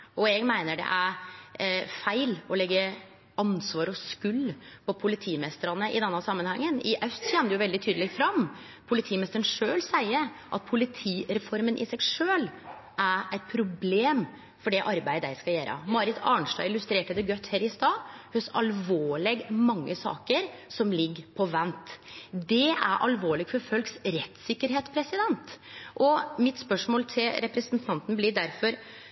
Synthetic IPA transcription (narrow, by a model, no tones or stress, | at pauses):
ɔɛɡmæɪnəɖɛ̰ʔæɾ | fæɪlɔlɛɡːə | ʔɑnsʋɑːɾɔskʉlːpʰɔpʰʊlɪt̪ʰiːmɛst̪əɾɑnəʔɪ̰d̪ɛnːɑsɑmːənhɑŋːənɪʔɑʉst̪çɛmd̪əjʊʋɛlɪt̪ʰyːd̪əlɛk̚t̪fɾɑmː | pʰʊlɪt̪ʰiːmɛst̪əəɳn̩ʂøːlsæɪə | ʔɑ̰t̪̚pʰʊlɪt̪ʰiːɾɛfɔɾmənʔɪ̰sɛɡʂøːl | ʔæɾæɪt̪̚pʰɾʊbleːm | fɔɖɛʔɑɾbæɪd̪əæɪskɑljæːɾə̰mɑɾɪt̪ʰɑ̰ːɳʂʈ̪ɑɪɪlʉst̪ɾeːʈəd̪ɛɡœt̪ːheːɾɪst̪ɑːhøsɑ̰lʋoːɭɛɡmɑŋːəsɑ̰ːkəɾsɔmlɪɡːpʰɔʋɛnt̪d̪ɛʔæ̰ɾʔɑ̰lʋoːɭɪɡfɔɾfœlksɾɛt̪sɪkːəɾɦeːt̪pʰɾɛsɪd̪ɛnt̪ʔɔmɪt̪spœʂmoːlt̪ʰɪlɾɛpɾɛsənt̪ʰɑnt̪n̩blɪd̪æɾfɔɾ